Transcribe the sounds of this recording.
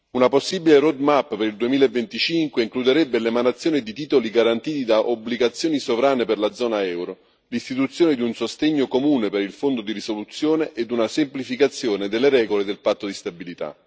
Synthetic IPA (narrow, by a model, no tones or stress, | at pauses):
unaposːibileɾod̪mapːpeɾild̪uemiːlaevːent̪it͡ʃiŋkweiŋklud̪eɾɛbːelemanat̪sjoːnid̪it̪iːt̪oliɡaɾant̪iːt̪id̪aʔobːliɡat̪sːjoːnisovɾaːneperlad̪zɔːnaɛwɾo | list̪it̪ut̪sːjoːned̪iunsost̪eɲːokomuːnepeɾilfond̪od̪iɾisolut̪sːjoːneʔed̪unasemplifikat̪sːjoːned̪elːeɾɛːɡoled̪elpat̪ːod̪ist̪abilit̪a̰